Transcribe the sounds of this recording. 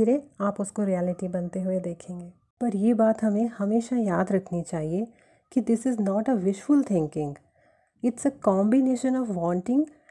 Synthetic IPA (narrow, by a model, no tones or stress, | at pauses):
iɾeaːpʊskoɾiɛːlɪʈibɐnt̪eɦʊed̪eːkʰẽːŋɡeː | pɐɾjebaːt̪ɦɐmẽhɐmeːʃajaːd̪ɾɐkʰnit͡ʃaːɦie | kid̪ɪsɪznɔːʈəʋɪʃfʊlt̪ʰɪ̃ŋkɪ̃ŋɡ | ɪʈsəkɔ̃ːmbɪneːʃə̃nɔːʋʋɔ̃ːɳʈɪ̃ŋɡ